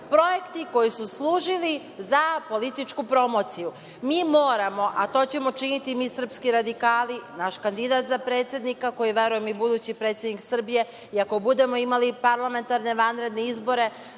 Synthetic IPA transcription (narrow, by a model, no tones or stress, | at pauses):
pɾo̞jekt̪iko̞jisuslˠuːʒili | zapo̞lit̪it͡ʃkupɾo̞mo̞t̪siju | miːmoːɾamo̞ʔat̪o̞ːt͡ɕe̞mo̞t͡ʃinit̪imiːsr̩pskiɾad̪ikaːlinaʃkand̪id̪at̪zapɾe̞t̪sje̞d̪nikako̞jiʋe̞ɾuje̞mibud̪uːt͡ɕipɾe̞ːt̪sjed̪niksr̩bije̞ | iako̞bud̪e̞mo̞imalipaɾlˠame̞nt̪aɾne̞ʋanɾe̞d̪neizbo̞ɾe̞